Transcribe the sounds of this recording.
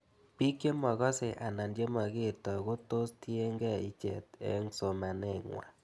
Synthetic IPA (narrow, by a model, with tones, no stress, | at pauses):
pi˦kje˦mɔ˨ɣɔ˦se˨ʔa˨na˨ndje˦ma˨ɣe˦˨ɾtɔ˨ɣo˦to˦sti˦e˦ŋɡɛ˦i˦t͡ʃɛ̰˨tḛ˦ŋso˨ma˨ne˦˨ŋwa̰˨